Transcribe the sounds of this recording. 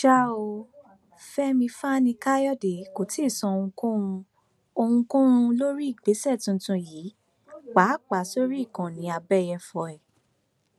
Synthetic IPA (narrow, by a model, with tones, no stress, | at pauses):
ʃa˦o˧ | fɛ˦mĩ˧fa˦nĩ˧ka˦jɔ˦˨de˨ko˨˦ti˦˨sɔ̃˨˧o˧ũ˧kõ˦ɾ̃ũ˧ | o˧hũ˧kõ˦ɾ̃ũ˧lo˦ɾi˦i˦˨ɡ͡be˨˦sɛ˦˨tũ˧n̩˧tũ˧jiː˨˦ | k͡pa˨˦k͡pa˨˦so˦ɾi˦˨kã˨nĩ˨˦a˧bɛ˦˨jɛ˧fɔ˧ɛ˨